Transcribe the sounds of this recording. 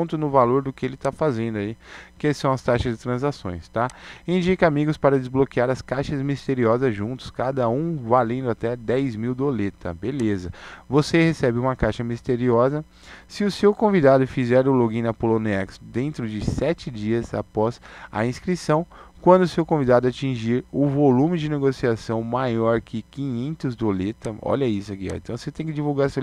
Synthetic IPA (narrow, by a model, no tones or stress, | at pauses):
nt̪ʊnʊvaloɾd̪ʊkɪelɪt̪afazẽnd̪ʊaikɪɛsɐ̃w̃ɐst̪aʃɐzd͡ʒɪt̪ɾɐ̃zasõ̰j̃st̪aẽd͡ʒikɐamiɡʊspaɾɐd͡ʒ̪ɪzblokiaɾɐskajʃɐzmist̪eɾiɔzɐzʒũnt̪ʊ̥skad̪ɐũvalẽnd̪ʊat̪ɛd̪ɛjzmiwd̪olet̪ɐ̰belezɐvosehesɛbɪũmɐkajʃɐmist̪eɾiɔzɐ | sɪʊsewkõvid̪ad̪ʊfizɛɾʊloɡĩnɐpolõnɛksd̪ẽnt̪ɾʊd͡ʒɪsɛt͡ʃɪd͡ʒiɐza̰pɔz̥ɐ̰ĩskɾisɐ̃w̃kwɐ̃nd̪ʊsewkõvid̪ad̪ʊat͡ʃĩʒiɾʊvolũmɪd͡ʒɪneɡosiasɐ̃w̃majɔɾkʰɪkĩɲẽnt̪ʊzd̪olet̪ɐɔ̰ʎɐisʊakiɔ̰ḛ̃t̪ɐ̃w̃set̪ẽj̃kɪd͡ʒivuwɡaɾs